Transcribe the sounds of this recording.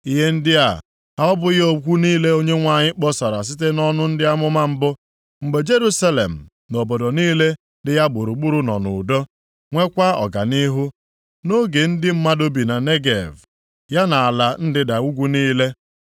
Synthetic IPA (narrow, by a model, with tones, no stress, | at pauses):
i˦ɦe˦n̩˦dɪ˦a˨ | ɦa˦ɔ˦bʊ˦ɪ˦o˨kʷu˦niː˦le˦o˦ɲe˦ŋʷa˨ɲɪ˦k͡pɔ˦sa˨ɾa˨s̬ɪ˦te˦nɔ˦nʊ˦n̩˦dɪ˦a˦mʊ˦ma˦m̩˦bʊ˦ | ŋ͡m̩˨ɡ͡be˨d͡ʒe˦ɾu˦sa˦lḛ˨m̩˨ | no˨bo˨do˨niː˦le˦ | dɪ˨ja˦ɡ͡bʊ˨ɾu˨ɡ͡bu˦ɾu˦nɔ̰˨nʊ̰˨do˦ | ŋʷe˦kʷa˦ɔ̰˨ɡa̰˨ni˦ɦu˦ | no˦ɡe˨n̩˦dɪ˦m̩˦ma˦do˦bi˨na˨ne˦ɡḛ˨v | ja˦na˨a˨la˨n̩˦dɪ˦da˨u˦ɡʷu˦niː˦le˦